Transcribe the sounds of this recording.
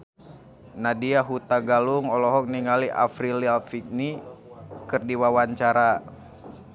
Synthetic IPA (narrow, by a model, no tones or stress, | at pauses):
nadiaɦut̪aɡaluŋɔlɔɦɔk̚niŋaliʔa̰fɾilialfik̚ni | kɨrdiwawaɲt͡ʃaɾa